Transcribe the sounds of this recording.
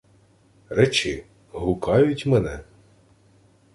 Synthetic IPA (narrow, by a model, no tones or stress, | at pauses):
rɛt͡ʃɪ | ɦʊkɑjʊtʲmɛnɛ